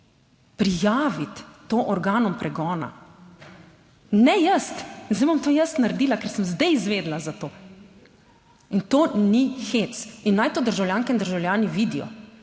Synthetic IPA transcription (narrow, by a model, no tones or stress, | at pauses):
pɾijaːʋit̪ːoːʔɔɾɡaːnɔmpɾʔɛɡɔːna̰ | nɛjəst̪nzɛbomt̪oːjəst̪naɾd̪iːlakɛɾsəmzd̪ɛjizʋeːd̪lazat̪oː | int̪oːnixet̪sinːajt̪oːd̪əɾʒawljaːŋkɛind̪əɾʒawlʲjaːniʋiːd̪ijɔ̰